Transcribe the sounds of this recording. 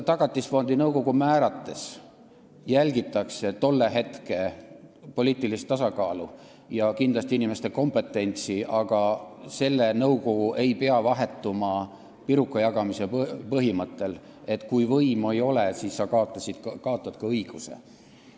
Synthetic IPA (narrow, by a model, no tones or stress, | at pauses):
t̪ɑɡ̥ɑt̪ːˑisfo̞nd̪̥inɤwko̞ɡ̥umæːɾɑt̪ːe̞s | jælʲɡit̪ːˑɑkse̞t̪o̞lːe̞ɦe̞t̪ke̞po̞liːt̪ːˑilist̪ːɑsɑkɑːlu | jɑkind̪lɑst̪iinʲime̞st̪e̞ko̞mpe̞t̪ːˑe̞nʲt̪siɑɡ̥ɑse̞lːenɤwko̞ɡ̥uʔe̞jpe̞ɑvɑɦe̞t̪ːumɑ | piɾukːˑɑjɑɡ̥ɑmiseppɤɦimɤt̪ːˑe̞l | e̞t̪ːˑkujvɤjmojo̞lesisːɑkɑot̪ːˑɑsid̪̥kɑot̪ːˑɑd̪̥kɑɤjɡ̥use̞̰